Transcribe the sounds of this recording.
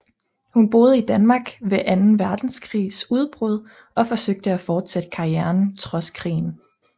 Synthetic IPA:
hunb̥o̝ːð̞ˠəid̥ænmɑ̈ːɡ̥ʋe̝ʔænn̩ʋæɐd̥n̩skʰʁḭːsuð̞ˠb̥ʁɔð̞ˠ | ʔɒ̽fɒ̽søɡ̥̚d̥əæfɒːd̥sed̥ə̥kʰɑ̈iæɐnt͡sʰʁɒ̽skʰʁḭːn̩

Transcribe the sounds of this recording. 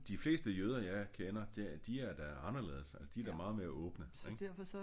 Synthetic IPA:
d̥ifle̝̰ːsd̥əjøːð̞ˠɐjɑɪkʰenɐd̥ed̥iæɐd̥æɑ̈nɐle̝̰ːð̞ˠsælsəd̥iæɐɾ̥æmɑ̈ːð̞̩ˠme̝ːɐʔɔ̽ːb̥nəɡ̥d̥æɐfɒsɒ

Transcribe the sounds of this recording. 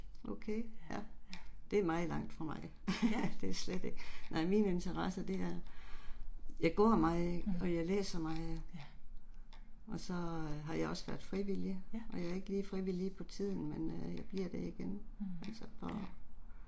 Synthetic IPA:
ʔokʰejæd̥e̝æɐmɑ̈ɪð̩ˠlɑ̈ŋ̰d̥fʁɑ̈mɑ̈ɪ | d̥e̝æɐsled̥e̝ɡ̥ənɑ̈ɪmine̝nt͡sʰɐʁɑsəd̥e̝æɐ | jɑ̈ɪɡ̥ɔ̰ɐmɑ̈ɪ̥ɒ̽jɑ̈ɪlḛːsɐmɑ̈ɪ | ɒ̽sɒ̽ɦɑ̈jɑ̈ɪɒ̽sʋæɐ̰d̥fʁiʋiliʔɒ̽jɑ̈ɪæɐe̝ɡ̥əliːfʁiʋilipʰɒ̽t͡sʰið̞̰ˠn̩menøjɑ̈ɪb̥liɐ̰d̥eiɡ̥enælsɒpʰɒ

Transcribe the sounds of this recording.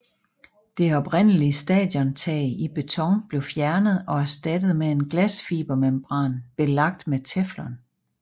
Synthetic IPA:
d̥e̝ɒ̽b̥ʁen̰əliəsd̥ɛ̰ːd̥jɒ̽nt͡sʰɛ̰ːɪib̥e̝t͡sʰɒ̽ŋb̥le̝ʊfjæɐnəð̞̩ˠɒ̽æɐsd̥æd̥ð̞̩ˠmee̝nɡ̥læsfḭːb̥ɐmemb̥ʁɑ̈ːnb̥e̝lɑ̈ɡ̥̚d̥met͡sʰeflɐn

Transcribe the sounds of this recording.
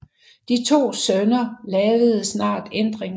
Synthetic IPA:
d̥it͡sʰo̝̰ːsœnɐlɛːʋəð̞̩ˠsnɑ̰̈ːd̥end̥ʁeŋ

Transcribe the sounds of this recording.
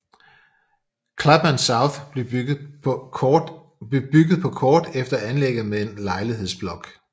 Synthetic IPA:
kʰlæb̥mænsɑʊθ | be̝b̥yɡ̥ð̩ˠpʰɒ̽kʰɒːd̥efd̥ɐænleɡ̥ð̩ˠmeðe̝nlɑ̈ɪliɦe̝ð̞̰ˠsb̥lɒ̽ɡ̥

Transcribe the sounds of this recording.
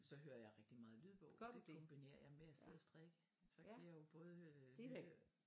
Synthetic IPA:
sɒ̽ɦøːɐjɑ̈ɪʁɛɡ̥̚d̥imɑ̈ːð̞̩ˠlyðˠb̥ɔʊd̥edkʰɒ̽mb̥ine̝̰ːɐ̰jɑ̈ɪmeæseð̰ˠɐsd̥ʁaɡ̥ə | sɒ̽kʰæjɑ̈ɪjo̝b̥ɔ̽ːð̞ˠə

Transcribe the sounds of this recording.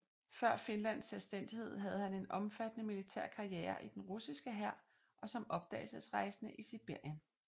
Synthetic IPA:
fɶɐ̰fe̝nlæn̰sːelsd̥en̰d̥ihe̝ð̞̰ˠɦæð̞̩ˠhæne̝nɒ̽mfæd̥nəmilit͡sʰæɐ̰kʰɑ̈ieːɐʔid̥enʁusisɡ̥əɦæɐ̰ | ʔɒ̽sɒ̽mɒ̽b̥̚d̥ɛ̰ːɪlsəsʁɑ̈ɪsənəʔisib̥e̝ɐ̰jən

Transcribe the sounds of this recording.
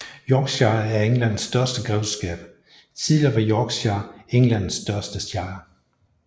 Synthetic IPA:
jɒːɡ̥sjɑ̈ɐæɐeŋlæn̰sd̥ɶɐsd̥əɡ̥ʁɛʊsɡ̥ɛ̰ːb̥ | t͡sʰið̰ˠliɐʋɑ̈jɒɡ̥sɑ̈eŋlæn̰sd̥ɶɐsd̥əsjɑ̈ɪɐ

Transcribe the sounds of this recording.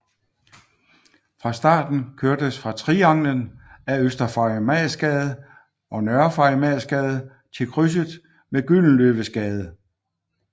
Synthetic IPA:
fʁɑ̈sd̥ɑ̰̈ːd̥n̩kʰøɐ̰d̥əsfʁɑ̈t͡sʰʁiɑ̈ŋlənæøsd̥ɐfɑmæsɡ̥ɛːð̞̩ˠ | ʔɒ̽nɶɐfɑ̈mɛsɡ̥ɛːð̞̩ˠ | t͡sʰe̝lkʰʁys̬əðˠ | meɡ̥yln̩løːʋəsɡ̥ɛːð̞ˠ

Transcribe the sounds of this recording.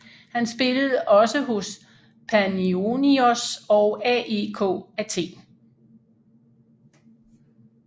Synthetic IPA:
hænsb̥e̝ləð̞̩ˠʔɒ̽səɦo̝s | pʰænioniosɒʊɛe̝ːkʰɔ̰ːæt͡sʰe̝̰ː

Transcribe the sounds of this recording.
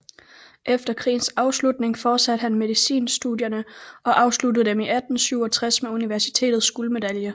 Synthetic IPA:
ʔefd̥ɐkʰʁḭːn̩sɑ̈ʊslud̥ne̝ŋfɒ̥ːsæd̥̚ɦænme̝ðˠisḭːnsd̥uðˠjɐnəʔɒ̽ʔɑ̈ʊsludð̩ˠd̥emiʔæd̥n̩syʊɒ̽t͡sʰʁasmeuniʋæɐsi̥t͡sʰe̝̰ːdð̩ˠsɡ̥uːləme̝d̥æljə

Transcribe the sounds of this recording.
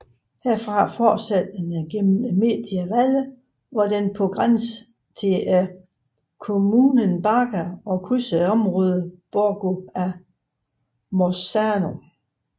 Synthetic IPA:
heɐ̰fʁɑ̈fɒ̥ːsæd̥enɡ̥emn̩me̝̰ːd̥iæʋælə | ʋɑd̥enpʰɔ̽ɡ̥ʁans | t͡sʰeʔæ | kʰo̝muːnənb̥ɑ̈ɡ̥æɒ̽kʰusəɒ̽mʁɔːð̞ˠəb̥ɒɡ̥oæ | mosæno̝

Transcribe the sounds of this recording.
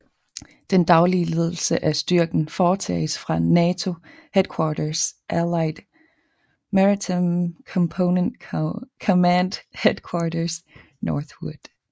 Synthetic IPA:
d̥end̥ɑ̈ʊliəle̝ð̞ˠl̩səʔæsd̥yɐɡ̥n̩fɒːt͡sʰɛ̰ːɪsfʁɑ̈nɛːt͡sʰo̝hed̥̚kʰwɑːɾɐsʔælɑ̈ɪd̥ | mæʁiomkʰɔmpʰoʊnend̥kʰɔmænd̥hed̥kʰwɑːɾɐs | nɒːθwud̥

